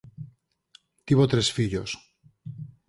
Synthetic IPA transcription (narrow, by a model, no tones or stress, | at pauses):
t̪iβot̪ɾesfiʎos